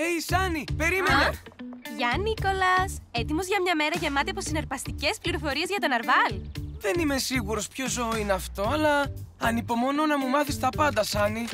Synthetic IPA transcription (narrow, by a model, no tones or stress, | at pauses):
ejsɐnipe̞ɾimeneʝɐniko̞lɐset̪imo̞zʝɐmɲɐme̞ɾɐʝe̞mɐt̪eɐpo̞sineɾpɐst̪ice̞spliɾo̞fo̞ɾie̞zʝɐt̪o̞nɐɾvɐlðe̞nime̞siɣuɾo̞spço̞zoineɐft̪o̞ɐlɐɐnipo̞mo̞nonɐmumɐθist̪ɐpɐnd̪ɐsɐni